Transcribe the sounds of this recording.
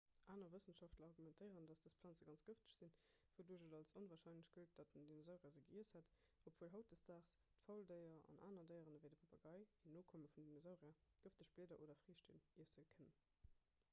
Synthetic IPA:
ʔaːnɐvəsənʃɑftlɐɑʁɡumɛntʰəɪəʁəndɑsd̥əspʰlɑːnt͡səɡɑnt͡sɡ̥əftə̥ɕz̥in | v̥oduːʒədɑlsonvaːʁʃɑɪnləɕɡ̥əət̚d̥ɑt̚dəndinozaʊʁiɐzəɡəiəshæt | opvuːəlɦɑʊt̚d̥əstaːχs | tfɑʊldəɪɐɑ̰nʔa̰ːnɐdəɪəʁənvəɪdəpʰɑpɑɡɑɪinoːkʰoməfundinozaʊʁiɐɡ̥əftdəɕb̥leːdɐʔoːdɐfʁiːəʃtḭmiəsz̥əlkʰənən

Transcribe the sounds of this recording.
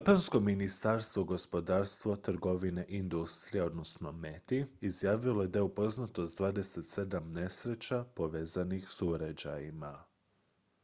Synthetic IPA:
japansko̞minist̪aɾst̪ʋoɡo̞spo̞d̪aːɾst̪ʋo̞t̪r̩ɡo̞ʋineʔind̪ust̪ɾijeo̞d̪no̞sno̞met̪iizjaːʋilˠo̞je̞d̪ajeupo̞znat̪o̞st̪d̪ʋaːd̪e̞se̞t̪se̞d̪amne̞sɾe̞t͡ɕapo̞ʋeːzanixsuɾad͡ʑajima

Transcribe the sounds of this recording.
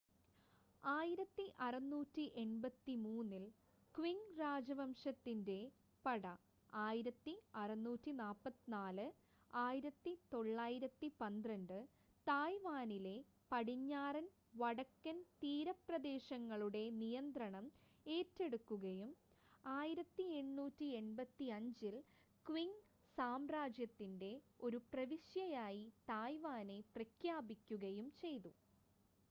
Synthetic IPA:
aːjiɾɐt̪ːiʔɐrɐnːuːtːiʔe̞nbɐt̪ːimuːnːil | kwiŋraːd͡ʑɐʋɐmʂɐt̪ːinde̞ | pɐɽɐ | aːjiɾɐt̪ːiɐrɐnːuːtːinaːpːɐt̪ːinaːlɨ | aːjiɾɐt̪ːit̪o̞ɭːaːjiɾɐt̪ːipɐnd̪rɐɳɖɨ | t̪aːjʋaːnile̞ | pɐɽiɲːaːrɐn | ʋɐɽɐkːɐnt̪iːɾɐprɐd̪e̞ːɕɐŋːɐɭuɽe̞nijɐnd̪rɐɳɐm | e̞ːtːe̞ɽukːuɣɐjum | aːjiɾɐt̪ːie̞ɳːuːtːie̞ɳbɐt̪ːiɐɲd͡ʑil | kʋiŋ | saːmraːd͡ʑjɐt̪ːinde̞ | o̞ɾuprɐʋiɕjɐjaːjit̪aːjʋaːne̞prɐkʰjaːbikʲːuɣɐjumt͡ɕe̞jt̪u

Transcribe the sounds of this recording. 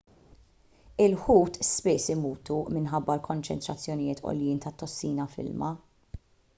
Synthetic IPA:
ɪlħuːt̪spɪsɪmuːt̪umɪnħɐbːɐlkʰɔnt͡ʃɛnt̪ɾɐt͡sːjɔnɪjɪːt̪ʰɔ̰ljɪːnt̪ɐt̪ːɔsːiːnɐfɪ̰lmɐ

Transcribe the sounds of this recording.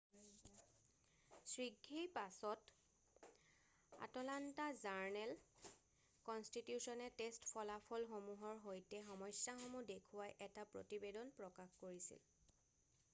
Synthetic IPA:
sɹiɡʱːejpasɔt | a̰tɔlantazaɹnɛl | kɔnstitjusɔnɛtestpʰɔlapʰɔlxomuɦɔɹɦojtɛxɔmɔjsjaxomudekʰuwajʔɛtapɹo̰tibedɔnpɹɔkaxkoɹisḭl

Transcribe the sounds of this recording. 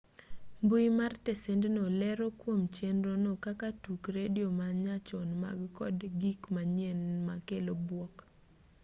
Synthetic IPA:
mbujimartɛsendnolɛɾokwomt͡ʃendɾonokakatukɾedɪomaɲat͡ʃɔnma̰ɡkɔdɡikmaɲjɛnmakelobwɔk

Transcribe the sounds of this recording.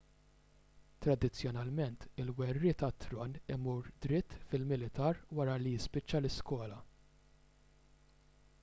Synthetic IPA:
t̪ɾɐd̪ɪt͡sːjɔnɐlmɛnt̪ɪlwɛrːɪt̪ɐt̪ːɾɔnɪmuːɾd̪ɾɪt̪ːfɪlmɪlɪt̪ɐːɾwɐɾɐlijɪspɪt͡ʃːɐlɪskwɔːlɐ

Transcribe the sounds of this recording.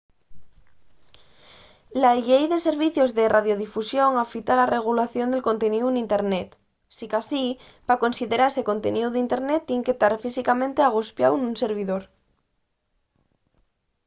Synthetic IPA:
laʎejðe̞seɾβiθjozðeraðjo̞ð̞ifusjo̞ŋafit̪alare̞ɣ̞ulaθjo̞nd̪e̞lko̞nt̪eniunint̪e̞ɾnet̪ | sikasi | pako̞nsiðe̞ɾaeseko̞nt̪ḛniuðint̪e̞ɾnet̪ːjeŋket̪aɾfisikamẽnt̪eaɣ̞ospjawnunseɾβ̞iðoɾ

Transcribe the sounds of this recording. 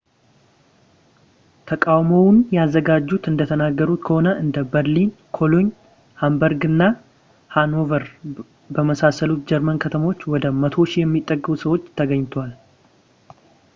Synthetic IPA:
t̪ʰəkʼawmownjɛazːəɡad͡ʒːut̪ɨnd̪ət̪ʰənaɡːəɾut̪kʰəho̞nəʔɨnd̪əbəɾlinkʰo̞loɲ | hambəɾɡɨnːa | hano̞vəɾ | bəməsasəlut̪̚d͡ʒɛɾmənkʰət̪ʰəmo̞t͡ʃːwɔd̪əmət̪ʰo̞ʃijɛmːit̪ʼːəɡːɨβusəwo̞t͡ʃːt̪ʰəɡəɲːt̪ʰwal

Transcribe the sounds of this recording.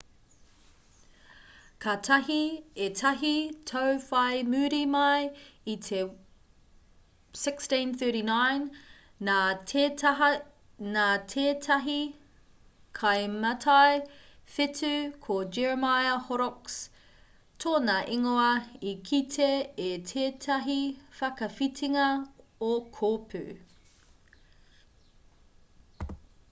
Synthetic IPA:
kʰɐtʰɐɦietʰɐɦitʰowfɐjmʉːɾimɐjitʰe | sɪkstĩnθɜ˞ɾinajnː | aːeɐɦɐ | naːtʰeːtʰɐɦi | kʰɐjmɐtʰɐjfetʰʉkʰod͡ʒɛɹmajɐhoɾoks | tʰoːnɐʔiŋoɐikʰitʰeːtʰeːtʰɐɦifɐkɐfitʰiŋɐokʰoːpʰʉ̰

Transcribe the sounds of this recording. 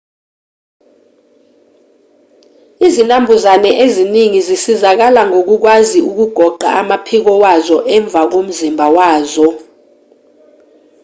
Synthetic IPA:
izinambʱuzanɛʔeziniŋizisizak̬alaŋok̬uk̬waziuk̬uɡ̥ʱɔɡ͡ǃʱaamapʰik̬ɔwazɔʔɛɱb̪vʱak̬om̩zimbʱawaːzɔ

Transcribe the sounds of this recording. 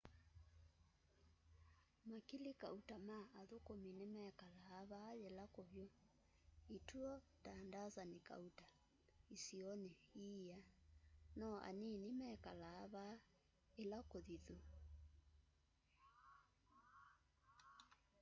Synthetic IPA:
makilikautamaʔaðokominemɛkalaːβajelakoβjɔ | ituɔtandazanika̰uta | isiɔneianɔʔa̰ninimɛkalaːβa | elakoðiðu

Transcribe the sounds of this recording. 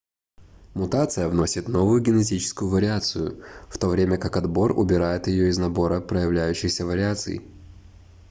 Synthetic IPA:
mʊt̪at̪sɨjəvno̞sʲɪt̪no̞vʊjʊɡʲɪnɪt̬ʲit͡ɕɪ̥skʊjʊvəɾʲɪat̪sɨjʊft̪o̞vɾʲemʲəkakɐd̪bo̞rʊ̰bʲɪɾajɪt̪jɪjo̞ɪznɐbo̞ɾəpɾəjɪvlʲæjʉɕːɪxsʲəvəɾʲɪat̪sɨ̰j

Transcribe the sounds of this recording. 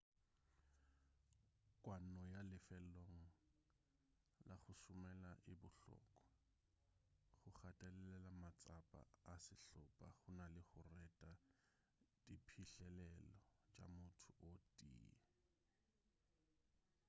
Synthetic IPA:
kʼwanɔjalɪfɛloŋ̩ | laχʊsʊmɛlaʔɪbʊɬɔ̰kʼɔ̥ | χʊχatʼɛlɛlɛlamat͡sʼapʼa̰ːsɪɬɔpʼa̰χʊnalɪχʊrɛtʼa | dipʰiɬɛlɛlɔt͡ʃʼa̰mʊtʰʊʔotʼḭːa

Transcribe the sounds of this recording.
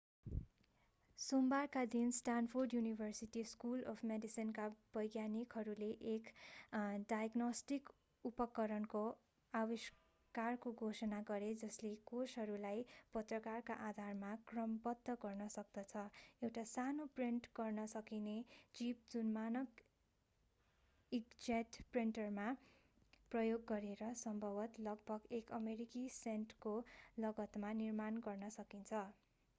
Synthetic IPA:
sombarkad̪insʈanpʰorɖjunibʱʌrsiʈiskulʌpʰmeɖisinkab̥ʌjɡjanikɦʌɾuleʔek | ɖajʌɡnʌsʈik | upʌkːʌɾʌnko | awis | karkoɡʱosʌnaɡʌɾed͡zʌslekosɦʌɾulajpʌt̪rʌkarkaʔad̪ʱarmakrʌmbʌd̪ʱːʌɡʌrnʌsʌk̚d̪ʌt͡sʰʌewʈasanopriɳʈɡʌrnʌsʌkinet͡sip̚d͡zunmanʌk | ikd͡zaʈpriɳʈʌrma | prʌjoɡːʌɾeɾʌsʌmbʱʌbʌt̪lʌɡ̚bʱʌɡekʌmeɾikisenʈrkolʌɡʌt̪manirmanɡʌrnʌsʌkint͡sʰʌ

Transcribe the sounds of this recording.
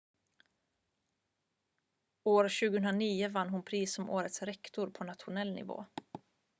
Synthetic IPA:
oːɾɕʉ̟ɡəhɵnɾaniːəvanːɦʊnpʰɾiːsɔmʔoːɾət̪sɾɛkt̪ʊɾpʰɔnat̪ɧʊnɛlnɪ̰vo̰ː

